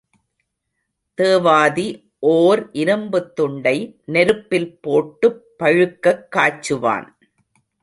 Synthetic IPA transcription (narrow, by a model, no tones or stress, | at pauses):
t̪eːʋaːði | ʔoːɾʔɪɾɐmbɯt̪ːʊɳɖɐɪnɛɾɯpːɪlpoːʈːɯpːɐɻɯkːɐkːaːt͡ʃːɯʋa̰ːn